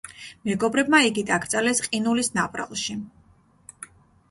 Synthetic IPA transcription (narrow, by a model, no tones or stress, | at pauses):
mɛɡɔbɾɛb̚maiɡid̪aɡɾt̪sʼalɛsqʼinulisnapʼɾa̰lˠʃi